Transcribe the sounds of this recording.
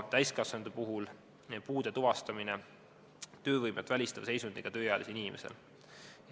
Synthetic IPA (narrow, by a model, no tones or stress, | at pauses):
t̪æjskɑsend̪̥upuɦul | puːd̪̥e̞t̪uvɑst̪ɑmine | t̪ø̞ːvɤjmet̪ːˑvælʲist̪ɑvse̞jsund̪̥iɡ̥ɑt̪ø̞ːjɑjɑ̰lisinʲimʔḛsḛl